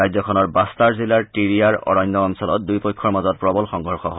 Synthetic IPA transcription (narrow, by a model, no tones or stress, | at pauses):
ajzɔkʰɔnɔɹbastaɹzilaɹtiɹijaɹɔ̰ɹɔjnːɔːnsɔlɔ̰t̚dujpɔjkʰːɔɹmazɔt̚pɹɔbɔlxɔŋɦɔɹxɔ̰ɦɔ